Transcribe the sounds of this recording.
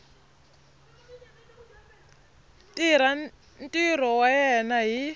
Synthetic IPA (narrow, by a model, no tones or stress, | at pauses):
tʼiɾa | ntʼir̤ɔwajɛnaɦi